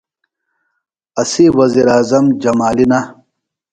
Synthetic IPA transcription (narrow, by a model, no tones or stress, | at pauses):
ɐsiwɐziɾaːzɐmd͡ʑɐmaːlinɐ